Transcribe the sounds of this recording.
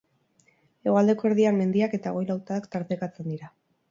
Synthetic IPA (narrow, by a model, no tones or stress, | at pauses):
e̞ɣoald̪e̞ko̞e̞ɾð̞iammːe̞nd̪iake̞t̪aɣ̞o̞jlawt̪aːkt̪aɾt̪ekat͡se̞nd̪iɾa